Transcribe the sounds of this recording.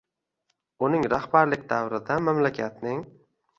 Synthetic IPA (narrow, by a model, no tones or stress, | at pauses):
ʊnɪŋɾahbaɾlɪk̚ʲd̪awɾɪd̪amamlakʲʰat̪nɪŋ